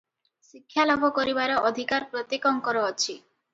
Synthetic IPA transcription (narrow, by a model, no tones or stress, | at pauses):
ʃikʰːjalɔbʱokoɾibaɾeʔɔd̪ʱikaɾpɾot̪ikɔŋkɔɾoɔt͡ɕʰi